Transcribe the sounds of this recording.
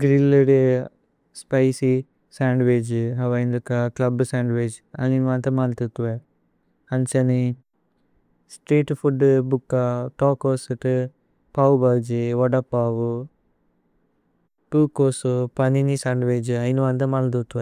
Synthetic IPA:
ɡɾilːuɽe | spɐjsi | saːɳɖʋeːd͡ʒɦɐʋɐjind̪ukːaklɐbsaːɳɖʋeːd͡ʒ | ɐjinʋɐnt̪ɐmalt̪ut̪ːuʋe | ɐɲt͡ʃɐni | sʈɾeːʈpʰuɖbukːaʈoːkoːsuʈ | paːwbɐld͡ʒiʋɔɖɐpaːʋu | puːkoːsupɐninisaːɳɖʋeːd͡ʒɐjinuʋant̪ɐmalt̪ut̪ːuʋe

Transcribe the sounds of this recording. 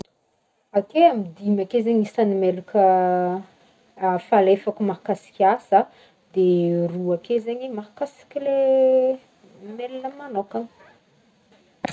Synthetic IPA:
akeamid̪imakezeɲisanimelukʲə | falefakumakasi̥kʲasə | d̪eruakezeɲimaɦkasi̥kʲile | melinəmanokḁ

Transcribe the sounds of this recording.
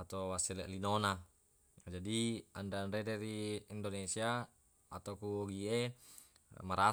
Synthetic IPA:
at̪owasilḛʔlinona | d͡ʒadiandanɾedɛɾiːndonesia | at̪okuoɡie | maɾa

